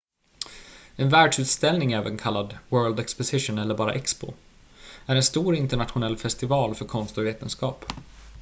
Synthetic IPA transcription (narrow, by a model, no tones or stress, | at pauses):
ɛnvæːɖʂʉ̟ːt̪st̪ɛlnɪŋɛːvə̰nkʰalːad̪wœːɹld̪ɛkspɔsɪʂʊnɛlːəɾbɑːɾa̰ʔɛkspʊ̰ | æɾɛnst̪uːɾɪnt̪əɳat̪ɧʊnɛlːfɛst̪ɪvɑːlfœɾkʰɔnst̪ʊveːt̪ənskɑːp